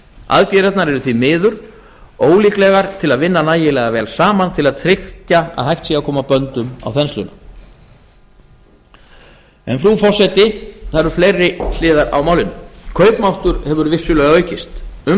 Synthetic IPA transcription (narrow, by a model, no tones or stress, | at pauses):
a̰ðc̪jɛɾɛt̪naɾɛɾʏθvimɪːðʏɾ̥ | oːwliːklɛɣaɾ̥t̪ʰɪlaðvɪnːanaːjɪlɛɣavɛːlsaːmant̪ʰɪlaðt̪ʰɾɪhcaa̰ðhajht̪siɣakʰɔːmapœnt̪ʏma̰wθɛnslʏna | ɛ̰nfɾufɔr̥sɛt̪ɪθaɾʏɾflejrːɪl̥ɪːðaɾa̰wmawlɪnːʏkʰœɥpmawht̪ʏɾhɛvʏɾvɪsːʏlœːɣœːɥcɪst̪ʏ